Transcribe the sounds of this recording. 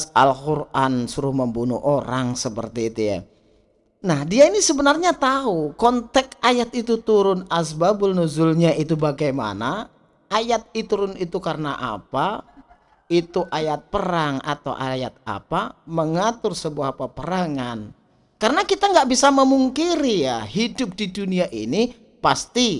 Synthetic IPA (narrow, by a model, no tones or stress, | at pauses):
a̰lkurʔansuɾʊhməmbunṵʔoɾaŋsəpə̰rt̪iːt̪uja̰ | nahdiainisəbənarɲat̪aɦukɔnt̪ɛkajat̪it̪ut̪uɾʊnasbabʊlnuzʊlɲaʔit̪ubaɡajma̰na | ajat̪̚it̪uɾʊnit̪ukaɾənaʔa̰pa | it̪uʔajat̪̚pəɾaŋa̰t̪a̰wʔajat̪̚a̰paməŋat̪ʊrsəbuapapəɾaŋan | kaɾənakit̪aŋɡaʔbisaməmuŋkiɾijaɦidʊp̚diduniaʔḭni | past̪i